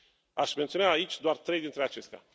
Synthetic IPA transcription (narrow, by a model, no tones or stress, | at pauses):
aʃment̪sionaːit͡ʃʲd̪oart̪ɾe̞jd̪int̪ɾe̞at͡ʃe̞st̪ea̰